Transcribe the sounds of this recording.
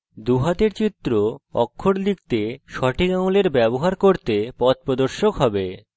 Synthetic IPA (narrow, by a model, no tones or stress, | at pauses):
d̪uɦat̪eɾt͡ɕit̪ːɾoɔ̰kʰːoɾlik̚t̪eʃɔʈʰikauleɾbɛboɦaɾkoɾt̪epɔt̪̚pɾod̪oɾʃokɦɔbe